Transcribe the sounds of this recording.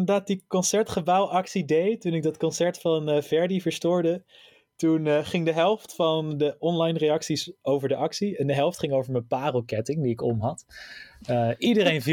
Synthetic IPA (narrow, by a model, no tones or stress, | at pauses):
nədaːt̚dikɔnsɛɹtχəbawʔɑksidejtunɪk̚dɑtkɔnsɛɹtfɑnvɛɹdivəɹstʊːɹdə | tunχɪŋdəɦɛlˠftfɑndəʔɔnlɑjnrejɑksisowvəɹdəʔɑksiɛndəɦɛlˠftχɪŋowvəɹməpaːrəlˠkɛtɪŋdiɪkɔmɦɑt | əʔidəɾejnv